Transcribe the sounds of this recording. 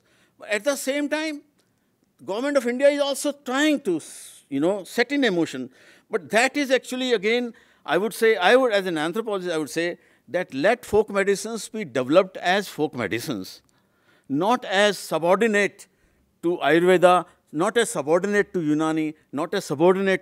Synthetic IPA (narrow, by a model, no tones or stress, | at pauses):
æʈ̚d̪əsẽːmʈãɪ̃m | ɡʌʋəɾmẽɳʈɔʋɪ̃ɳɖijaɪzɔːlsoʈɾaɪɪ̃ŋʈu | junoːsɛʈɪ̃nemoːʃə̃n | bʌʈ̚d̪æʈɪzæk̚t͡ʃuəliəɡẽːn | ʔa̰ɪʋʊɖseːaɪʋʊɖæzɛ̃næ̃nt̪ɾopɔlɔd͡ʒɪsaɪʋʊɖseː | d̪ɛʈlɛʈfoːkmɛɖɪsə̃nsbiːɖeʋɛləp̚ʈɛzfoːkmɛ̰ɖɪsə̰̃ns | nɔːʈɛzsəbɔːɾɖɪneʈː | uʔaɪɾʋed̪a | nɔːʈɛz̥sɐbɔːɾɖɪneʈːujunãːni | nɔːʈɛzsəbɔːɾɖɪneʈ